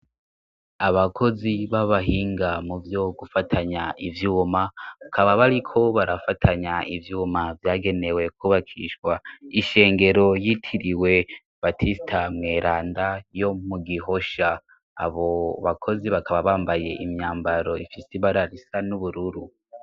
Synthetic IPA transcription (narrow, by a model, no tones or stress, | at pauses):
aβakʰo̞ziβaβaɦiːŋɡamuvjoɡufatʰaɲaʔivjuːmaβakʰaβaβaɾikʰo̞βaɾafatʰaɲaʔivjuːmavjaːɡe̞ne̞we̞k̚uβakʰḭʃwaiʃe̞ːŋɡe̞ɾo̞jitʰiɾiwe̞ | b̥atʰistʰamŋe̞ːɾaːndajo̞muɡiɦo̞ʃa̰ː | βo̞βakʰo̞ziβakʰaβaβaːmbaje̞ʔimɲaːmbaɾo̞ifisiβaɾaɾisanuβuɾuɾu